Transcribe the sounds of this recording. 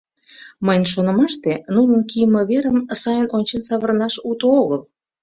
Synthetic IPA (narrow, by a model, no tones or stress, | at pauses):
məjnʃonə̆mɑʃt̪enunənkijəməβeɾəmsɑjənonʲt͡ɕensɑβərnɑʃut̪ooɣəl